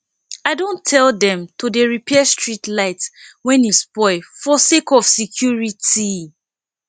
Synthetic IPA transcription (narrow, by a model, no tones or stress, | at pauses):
aɪdõntʰɛldɛ̃mtodeɹipʰɛstɹitlaɪtwɛ̃nispɔɪfɔsekɔfsikʰjuɹiti